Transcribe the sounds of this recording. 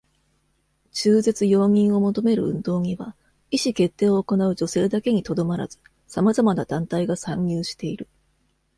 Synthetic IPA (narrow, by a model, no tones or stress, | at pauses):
t͡ɕɨːze̞t͡sɨjo̞ːɲ̟ʲĩɰ̃o̞mo̞t̪o̞me̞ɾɯ̟̰ɯ̟̃nd̪o̞ːɲ̟iβa | iɕike̞t̪ːe̞ːo̞ːko̞naɯ̟d͡ʑo̞se̞ːd̪ake̞ɲ̟it̪o̞d̪o̞maɾa̰zɨ̥ | samazamanad̪ãnt̪aiɡasãɲːɨːɕi̥t̪e̞iɾɯ̟